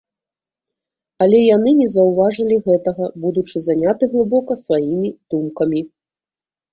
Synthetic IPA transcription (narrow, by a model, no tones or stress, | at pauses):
ɐlʲɛjanɨnʲɛzɐwvaʐɐlʲiɣɛt̪ɐɣɐbud̪ut͡ʂɨzanʲat̪ɨɣlˠɨbɔkɐsvajimʲid̪̥umkɐmʲi